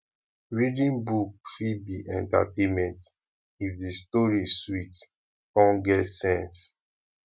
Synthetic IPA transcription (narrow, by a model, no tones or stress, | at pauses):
ɹidĩnbuk̚fibiʔɛ̃nta̰tẽmɛ̃nt | ifdistɔɹiswit | kɔ̃nɡɛtsɛ̃ns